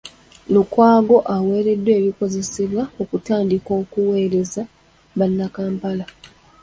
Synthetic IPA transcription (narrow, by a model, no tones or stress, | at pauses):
lukwaːɡo̞ʔawe̞ːɾe̞dːwe̞ːβiko̞ze̞se̞βwaokutaːndiko̞ːkuwe̞ːɾe̞za | βanːakaːmpala